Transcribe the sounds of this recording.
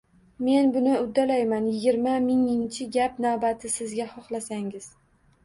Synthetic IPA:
me̞nbʊnɪʊd̪ːalajmanjɪɡʲɪɾmamɪŋɪŋt͡ʃʰɪɡʲapnavbat̪ʰɪsɪzɡʲahɒχlˠasaŋɪz̥

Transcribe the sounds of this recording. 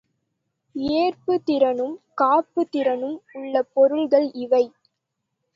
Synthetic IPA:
eːrpɯt̪ɪɾɐnɯmkaːpːɯt̪ɪɾɐnɯmʊɭːɐpːɔɾɯɭɣɐɭɪʋɐɪ

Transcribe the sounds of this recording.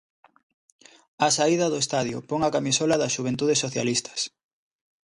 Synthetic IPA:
asaiðɐðʊest̪aðjʊ̰pɔŋakamisɔlaðɐsʃuβ̞ent̪uðesːoθja̰list̪ʰɐ̥s

